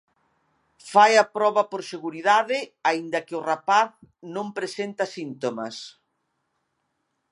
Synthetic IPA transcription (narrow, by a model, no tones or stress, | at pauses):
fajɐpɾɔβɐpoɾseɣuɾiðaðɪaind̪ɐkɪʊrapaθnõmpɾesent̪ɐsint̪omɐ̰s